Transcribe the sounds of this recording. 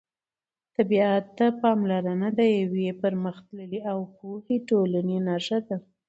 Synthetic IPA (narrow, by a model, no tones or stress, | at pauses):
t̪abiat̪ːapɑmlaɾanad̪əjawepəɾməxt̪ləliawpohiʈolanenɑʂad̪a